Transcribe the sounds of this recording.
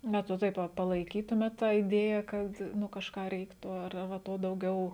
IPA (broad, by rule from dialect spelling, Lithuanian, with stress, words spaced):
ˈbʲɛt ʋɐ ˈtɐɪp ʋɐ pɐlˠɐɪˈkʲiːtʊmʲeːt ˈtɑː ɪˈdʲeːjɛ kɐt ˈnʊ kɐʃˈkɑː ˈrʲɛɪktʊ ɐr ɐr ʋɐ ˈtoː dɐʊˈɡʲɛʊ